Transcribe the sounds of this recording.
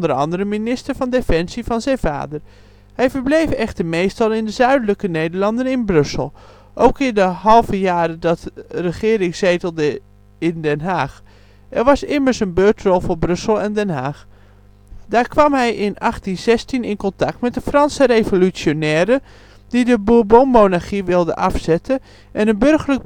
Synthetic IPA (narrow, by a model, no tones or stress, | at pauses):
ndəɹɑ̰ndəɾəminɪstəɹvɑndefɛnsivɑnzɛjnva̰ːdər | hɛjvəɹblejfɛχtəmejstɑlˠɪndəzœɥdələkənejdəɹlɑndənɪnbrɵsəlˠ | ʔowkɪndəɦɑlˠvəjaːɾədɑtrəχɪːɾɪŋzejtəlˠdə | ɪndɛnɦaːx | ʔɛrʋɑsɪməɹsənbøːtrɔlˠvoːɹbrʏsəlˠɛndɛnɦaːx | daːɹkʋɑmɦɛjʔɪnɑχtinz̥ɛstinɪnkɔntɑk̚tmɛt̚dəfrɑnsəɾejvolysjonɛːɾə | d̥idəbubomːonaɹχiʋɪlˠdə̰ʔɑfsɛtʰə | ʔɛnənbɵrɣələk̚